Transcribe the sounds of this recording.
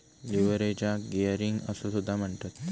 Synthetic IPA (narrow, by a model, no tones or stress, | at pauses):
liʋəɾet͡ɕjaɡejəɾiŋɡəsosud̪ʱːam̤əɳt̪at̪̚